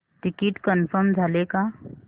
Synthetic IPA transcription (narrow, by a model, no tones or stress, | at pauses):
ʈɪkɪʈkənfʰəɾmd͡ʒʱaleka